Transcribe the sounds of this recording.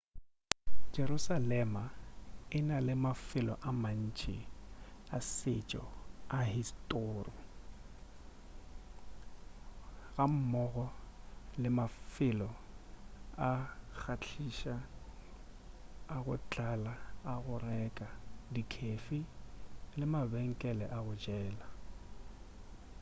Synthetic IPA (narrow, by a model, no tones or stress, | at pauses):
d͡ʒeɾusalɛmaɪnalɪmafɪlɔ̰ʔaman̩ːt͡ʃʼiasɪ̰t͡ʃʼɔ̰ahistʼoːrɔ | ɣam̩mɔɣɔlɪmafɪlɔ | ak͡xʰat͡ɬʰiʃa | ɣʊt͡ɬʼalaaɣʊrɛkʼadikʰefi | lɪmabɛŋ̩kʼɛlɛʔaɣʊd͡ʒɛːla